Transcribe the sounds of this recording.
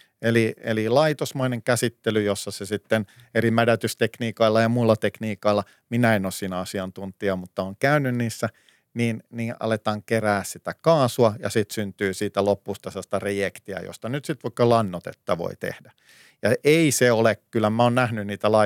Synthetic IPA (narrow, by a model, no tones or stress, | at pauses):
eliḛlilɑit̪osmoineŋkæsit̪ːelyjosːɑsesit̪ːen | erimædæt̪yst̪ekniːkɑilːɑjɑmuilːɑt̪ekniːkɑilːɑ | minæenoːssiːnæɑsiɑnt̪unt̪iɑmut̪ːɑoːŋkæynːynniːsːæ | niːnniːʔɑ̰let̪ɑːŋkeræːssit̪ækɑːsuɑjɑ̰sit̪synt̪yːsiːt̪ælopːust̪ɑsst̪ɑrejekt̪iɑ̰jo̰st̪ɑnyt̪sit̪ʋɑikːɑlɑnːot̪ḛt̪ːɑʋo̰it̪ḛhdæ | jɑeiseolekkylːˑæmæoːnnæhnynniːt̪ælɑ